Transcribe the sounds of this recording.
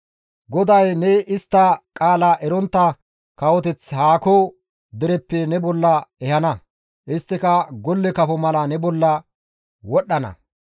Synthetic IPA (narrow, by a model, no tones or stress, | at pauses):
ɡɔd̪ɐjnɛɪst̪ːɐkʼaːlaːʔɛɾɔnt̪ːɐ | kɐwɔt̪ɛt͡shaːko | d̪ɪɾɛpːɛnɛbɔlːɐɛhɐnɐ | ʔɪst̪ːɪkɐɡɔlːɛkɐpɔmɐlɐnɛbɔlːɐ | wɔɗːɐnɐ̰